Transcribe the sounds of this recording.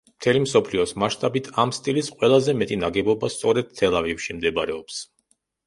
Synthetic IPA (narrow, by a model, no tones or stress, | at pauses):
mt̪ʰɛlimsɔpʰliɔsmaʃt̪ʼabit̪ʰamst̪ʼilisqʼwɛlˠazɛmɛt̪ʼinaɡɛbɔbast̪sʼɔɾɛd̪̥̚t̪ʰɛlˠavifʃimd̪ɛbaɾɛɔps